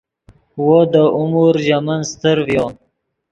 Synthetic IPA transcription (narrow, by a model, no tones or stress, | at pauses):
wod̪əʊmuɾʒamanst̪əɾvjo